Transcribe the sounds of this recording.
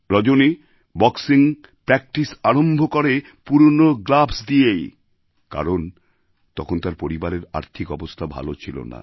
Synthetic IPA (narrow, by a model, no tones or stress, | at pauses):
ɾɔd͡ʑoni | bɔksiŋ | pɾɛk̚ʈisaɾombʱokoɾe | puɾonoɡlabsd̪iej | ka̰ɾon | t̪ɔkʰont̪aɾpoɾibaɾeɾa̰ɾt̪ʰikɔbost̪ʰabʱa̰lot͡ɕʰilo̰na̰